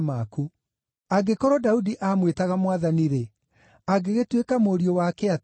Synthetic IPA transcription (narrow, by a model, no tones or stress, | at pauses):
maku | aɡekɔɾɔdaudiʔaːmwetaɣamwaðaniɾe | aɡeɣetwekamoːɾiɔwakɛa